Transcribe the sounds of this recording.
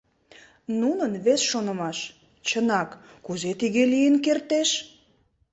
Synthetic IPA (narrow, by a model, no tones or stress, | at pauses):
nunənβesʃonə̆mɑʃ | t͡ɕənɑkkuzet̪iɣelijənkert̪eʃ